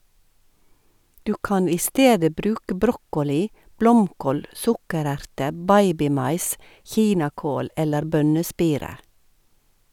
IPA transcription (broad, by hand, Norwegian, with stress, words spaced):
ˈdʉː ˈkɑn ˈiː ˈsteːdə ˈbɾʉːkə ˈbɾɔkɔˌliː ˈblɔmˌkoːl ˈsʊkəˌɾæɾtə ˈbɑɪbɪˌmɑɪs ˈçiːnɑˌkoːl ˈɛləɾ ˈbœnəˌspiːɾə